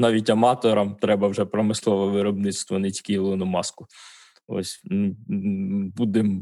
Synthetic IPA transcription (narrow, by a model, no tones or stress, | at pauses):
nɑʋʲitʲɐmɑt̪ɔɾɐmt̪ɾɛbɐwʒɛpɾɔmɪslˠɔʋɔʋɪɾɔbnɪtst̪ʋɔnɪtʲi̥kʲiilˠɔnɔmɑskʊ | ɔ̰sʲ | bud̪ɪm